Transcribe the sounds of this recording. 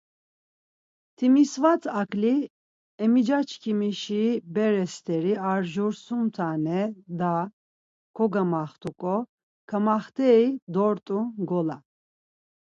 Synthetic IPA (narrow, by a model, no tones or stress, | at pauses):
t̪ʰimisvat͡sʼakʰʼli | ɛmid͡ʒat͡ʃʰkʰimiʃibɛɾɛst̪ʰɛɾiaɾʒuɾsumt̪ʰanɛd̪a | kʰɔɡamaχt̪ʰukʼɔ | kʰamaχt̪ʰɛid̪ɔɾt̪ʼuɡɔla